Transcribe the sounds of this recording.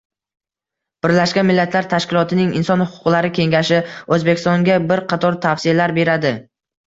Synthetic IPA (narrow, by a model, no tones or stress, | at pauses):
b̥ɪɾlaʃkʲanmɪlːat̪ʰlaɾt̪ʰaʃkʲɪlˠɒt̪ʰɪnɪŋɪ̰nsɒnhʊqʰʊ̥qlˠaɾɪkʲʰe̞ŋɡʲaʃɪɵzbekʲʰɪst̪ɒŋɡʲabɪɾqʰɑt̪ʰɒɾt̪ʰafsɪalaɾbe̞ɾad̪ɪ